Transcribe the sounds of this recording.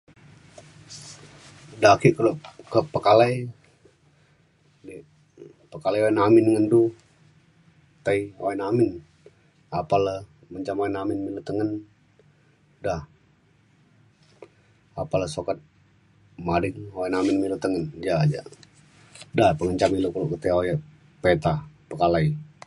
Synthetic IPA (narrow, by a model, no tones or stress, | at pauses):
dakikəlokəpəkalaj | di | pəkalajaɛnamɪnŋəndu | t̪aiaɛnamɪn | apalə | məɲt͡ʃamaɛnamɪnmilut̪əŋən | dah | apaləsokət̪̚ | madəŋoɛnamɪnmilut̪əŋənd͡ʒad͡ʒa̰ | dahpəŋəɲt͡ʃamilukəloʔkət̪eojɛ | pet̪apəkalai